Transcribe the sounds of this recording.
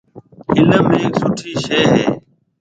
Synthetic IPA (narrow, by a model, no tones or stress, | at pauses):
ɦɪnəmĩːksʊʈʰiːʃeːɦeː